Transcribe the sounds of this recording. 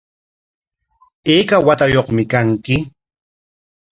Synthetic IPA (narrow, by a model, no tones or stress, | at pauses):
eːkawat̪ajoχmɪkaŋkɪ